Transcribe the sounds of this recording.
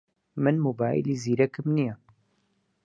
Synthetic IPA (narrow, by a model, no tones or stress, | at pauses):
mɨnmoːbaːj̰liːziːɾɛkɨmnijɛ